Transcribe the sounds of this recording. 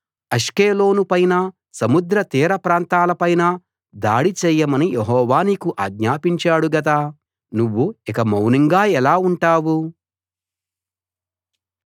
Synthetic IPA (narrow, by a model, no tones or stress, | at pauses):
ɐʂkeːlo̞ːnupɐjnɐ | sɐmud̪ɾɐt̪iːɾɐpɾaːnt̪aːlɐpɐjnɐ | d̪a̰ːɽit͡ʃɛːjːɐmɐnijeɦɔːʋaːnikuʔaːɡ̚ɲaːpiɲt͡ʃaːɽuɡɐt̪̬ɐ | nuʋːuikɐmɐwniŋɡaːɛlaːuɳʈaːwu